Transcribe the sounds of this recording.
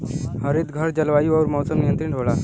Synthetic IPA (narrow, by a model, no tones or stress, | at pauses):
həɾid̪ɡʱəɾd͡ʑəlʋaiʋəʋɾmɔwsəmnijənt̪ɾiːɳɖʱoʋɭaɾ